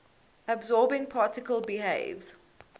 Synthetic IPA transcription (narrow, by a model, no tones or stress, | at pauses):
əbzɔːbɪ̃ŋpʰɑːˑtɪkəlˠbiɦḛɪvz̥